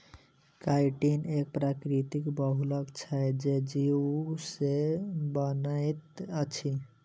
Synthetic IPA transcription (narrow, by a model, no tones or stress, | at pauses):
kajʈinek̚pɾakɾit̪ikbəɦuləkt͡ʃʰɛd͡ʒed͡ʒiusebənajt̪ət͡ʃʰi